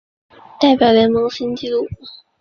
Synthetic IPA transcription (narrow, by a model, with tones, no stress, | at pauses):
t̪a˥˩ɪpjɑ˨˩ʊjɛ˧˥nmɤ˧˥ŋsi˥nt͡ɕi˥lu˥˩˨